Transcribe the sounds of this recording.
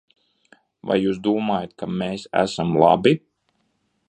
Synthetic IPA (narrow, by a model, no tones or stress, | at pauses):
va̰jjuːsd̪uːmaːjat̪̚kameːsæ̰samlˠa̰bi